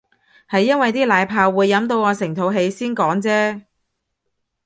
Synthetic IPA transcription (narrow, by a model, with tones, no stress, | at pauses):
hɐ˨jːɐ˥nwɐ˨jt̪iː˥laː˨˧jpʰaː˧wːuː˨˧jːɐ˨˥mt̪o˧wŋɔː˨˧sɪ˨˩ŋt̪ʰo˨˧wɦe˨˧jsiː˥nkɔː˨˥ŋt͡sɛː˥